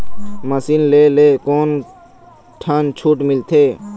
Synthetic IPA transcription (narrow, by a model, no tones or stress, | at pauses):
məsiːnleːleːkoːn | ʈʰaːnt͡ʃʰuːʈmɪlt̪ʰeː